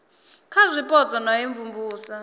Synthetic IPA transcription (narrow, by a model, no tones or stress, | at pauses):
kʰazʷipʼɔt͡sʼɔnajeɱvumbʱuːsa